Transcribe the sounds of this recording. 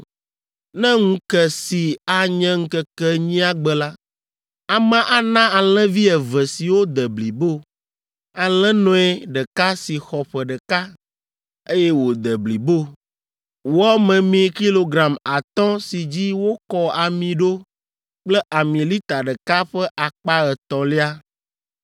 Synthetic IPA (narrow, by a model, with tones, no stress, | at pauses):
nɛ̃˦ŋũ˦kɛ˨si˨a˨ɲɛ̃˦ŋ̩̃˦kə˦kɛ˦ɲĩ˦a˦ɡ͡bɛ˨la˦ | a˨mɛ̃˨ʔa˨nã˦a˨l̃ɛ̃˦vi˦ɛ˨vɛ˨si˨wo˦d̪ə˨bli˨bo˦ | a˨lɛ̃˦nɔ̃˦ɛ˦ɖə˨ka˦si˨xɔ˨ɸɛ˨ɖə˨ka˦ | e˦jɛ˦wo˨d̪ə˨bli˨bo˦˨ | wɔ˦mɛ̃˨mĩ˨ki˦lo˦ɡɾa˨ma˨t̪ɔ̃˦si˨d͡ʑi˦wo˦kɔ˦a˨mĩ˨ɖo˦ | k͡plɛ˦ʔa˨mĩ˨li˦t̪a˨ɖə˨ka˦ɸɛ˦ʔa˨k͡pa˦ɣɛ˨t̪ɔ̃˨li˦a˦